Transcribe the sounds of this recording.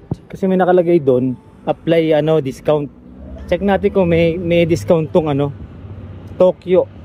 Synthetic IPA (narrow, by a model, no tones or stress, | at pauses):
t͡ʃkɐsɛmɐjnɐkɐlɐɡajd̪on | ʔɐplajɐno̞d̪ɪskawnt̪̚ | t͡ʃɐk̚naːt̪ɪnkoŋmɐjmɐjd̪ɪskawnt̪ʊŋɐno̞ | t̪oːkjo